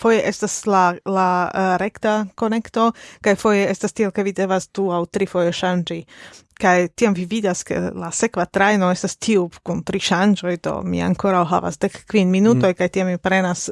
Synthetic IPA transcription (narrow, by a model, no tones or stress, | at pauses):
fo̞jeʔe̞staslalaɾe̞ktako̞ne̞kto̞kajfo̞jeestastielke̞vide̞vasd̥uawtɾifo̞je̞ʃand͡ʒikajtiamvividaskḛlase̞kvatɾajno̞e̞stastʰiukuntɾiʃand͡ʒo̞jdo̞̰mḭa̰ŋko̞ɾawɦa̰va̰sde̞kːvinminuto̞jkajtiammipɾe̞nas